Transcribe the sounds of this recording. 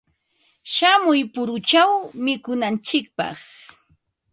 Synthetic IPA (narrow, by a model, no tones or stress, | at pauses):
ʃamʊjpʊɾʊt͡ʃawmɪkʊnant͡ʃɪk̚pɑ̰χ